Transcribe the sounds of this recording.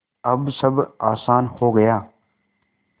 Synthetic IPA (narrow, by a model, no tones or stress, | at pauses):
əbsəbʱaːsaːnhoːɡəjaː